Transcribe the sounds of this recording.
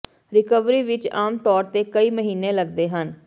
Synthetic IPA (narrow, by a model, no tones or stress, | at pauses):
ɾɪkəʋɾiːʋɪt͡ʃaːmt̪ɔːɾt̪eːkəiːməɦiːnẽːləɡd̪eːɦən